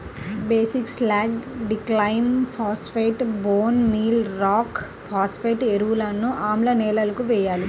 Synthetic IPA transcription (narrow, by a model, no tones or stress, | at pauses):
beːsikslaːɡɖiklɐjnpʰaːspeːʈboːnmiːlɾaːk | pʰaːspeːʈeɾuwulɐnːuʔaːmlɐnɛːlɐlɐkuʋɛjːaːli